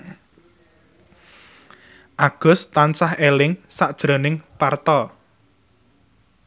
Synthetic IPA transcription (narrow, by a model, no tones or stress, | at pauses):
ʔaɡ̥ʊ̤st̪ansahelɪŋsaʔd̥ʒ̥ɾo̤nɪŋpart̪ɔ